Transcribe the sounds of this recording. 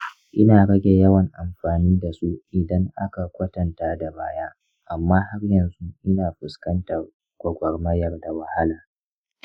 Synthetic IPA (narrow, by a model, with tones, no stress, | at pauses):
ʔɪ˦naː˨ɽɐ˦ɡʲe˨jɐ˦wɐ˨ŋʔa˨mɸaː˨niː˦da˨su˦ʔɪ˨dɐ˦ŋʔa˦ka˨kʷɐ˦tɐ˨ntaː˦da˨ba̰ː˦jaː˦ | ʔa˨mːaː˦ha˦rjɐ˨nzu˦ʔɪ˦naː˨ɸɪ˨skɐ˦ntɐ˨r | ɡʷɐ˨ɡʷɐ˨rmɐ˦jɐ˨rda˨wɐ˨ha˦laː˨